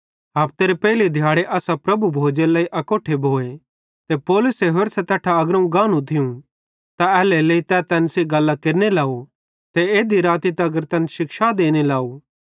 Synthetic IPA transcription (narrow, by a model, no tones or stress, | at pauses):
ɦaːp̚t̪eːɾepɛːlid̪ʱjaːɽeʔaːsapɾɐbubʱoːd͡ʒelaːiʔɐkoːʈʰebʱoːe | t̪epoːlʊseɦoɾsɛt̪ɛːʈʰaɐɡɾɐ̃ũɡãːnũt̪ʰɪũ | t̪aɛːleleːit̪ɛːt̪ɛːnseɡɐlːakeɾnelaːo | t̪eeːd̪iɾaːt̪it̪ɛɐɡəɾt̪ɛːnʃɪkʃad̪eːnelaːo